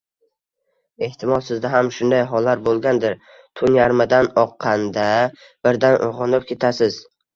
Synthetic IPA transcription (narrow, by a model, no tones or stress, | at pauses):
e̞ht̪ʰɪmɒlˠsɪzd̪aɦamʃʊnd̪ajɦɒlːaɾbolˠɡʲand̪ɪɾ | t̪ʰʊnjaɾmɪd̪anɒqʰːɑnd̪a | b̥ɪɾd̪anʔo̰ʁɨnɪp̚kʲʰe̞t̪ʰasɪz